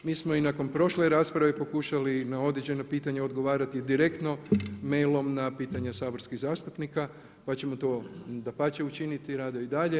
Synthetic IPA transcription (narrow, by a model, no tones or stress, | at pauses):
miːsmo̞inako̞npɾo̞ʃleɾaːspɾaʋe̞po̞kuʃalinao̞d̪ɾed͡ʑe̞no̞piːt̪aɲeo̞d̪ɡo̞ʋaːɾat̪id̪iɾe̞kt̪no̞me̞jlo̞mnapiːt̪aɲasaːbo̞ɾskiɣzaːst̪upnika | pat͡ɕe̞mot̪oːd̪apat͡ɕeut͡ʃinit̪iɾaːd̪oid̪aʎe̞